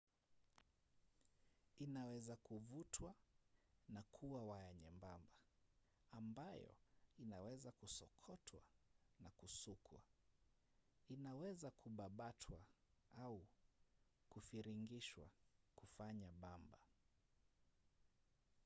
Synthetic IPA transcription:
inawɛzakuvutʰwa | nakʰuwawajaɲɛmbamba | ambajɔ̰inawɛzakusɔkʰɔtʰwa̰nakusukʰwa̰ | inawɛzakʰuɓaɓatʰwaau | kufiɾiŋɡiʃwa̰kufaɲaɓamba

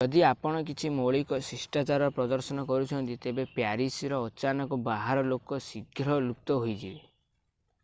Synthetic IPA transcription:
d͡ʒɔd̪iapɔɽ̃ɔk̬it͡ʃʰimoɭikɔsisʈat͡ʃaɾɔɔpɾɔd̪ɔɾsɔnɔkɔɾut͡ʃʰɔnt̪it̪ebepjaɾisiɾɔːt͡ʃanɔkɔbaɦaɾɔlokɔsiɡʱɾɔluk̚t̪ɔɦojd͡ʒʰi

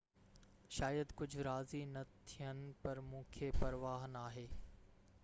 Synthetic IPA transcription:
ʃaːjəd̪kʊd͡ʑʱʊɾaːzinɐt̪ʰijənɪ̆pɐɾmũːkʰepɐɾʋaːɦənaːɦeː

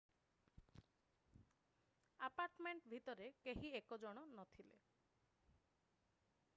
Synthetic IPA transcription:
apaɾʈmeɳʈbʱit̪ɔɾekeɦiekod͡ʒɔɽ̃ɔnɔt̪ʰilḛ

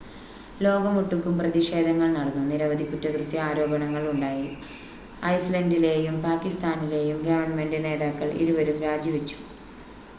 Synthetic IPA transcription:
lo̞ːɡɐmuʈːukːumprɐðiʂe̞ːd̪ʱɐŋːɐɭnɐɽɐnːuniɾɐʋɐd̪ʱikutːɐkrut̪ːjiaːɾo̞ːbɐɳɐŋːɐɭuɳɖaːji | ɐjslɐndile̞ːjumpaːkːist̪aːnile̞ːjumɡɐʋɐɳme̞ɳɖɨne̞ːd̪aːkːɐɭḭɾuʋɐɾumɾaːd͡ʑiʋit͡ɕːu̥

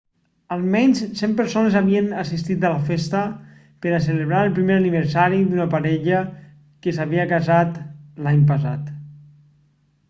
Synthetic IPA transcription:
alˠmɛɲssempəɾsonezaβiənasist̪it̪alafest̪ə | pəɾaseleβɾaɾəlˠpɾimeɾaniβ̞əɾsaɾiðunəpaɾɛʎə | kəsaβiəkazat̪laɲpəsa̰t̪

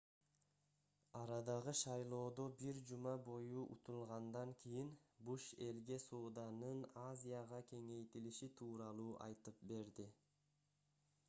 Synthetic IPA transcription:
ɑɾɑd̪ɑʁɯʃɑjlˠo̞ːd̪o̞biɾd͡ʒumɑbo̞juʔut̪ulˠʁɑnd̪ɑŋkʲʰijinbuʃe̞lɡe̞soːd̪ɑnɯnazʲijaʁɑkʲʰe̞ŋe̞jt̪iliʃit̪ʰuːɾɑlˠuːʔɑ̰jt̪ɯp̚be̞ɾd̪i

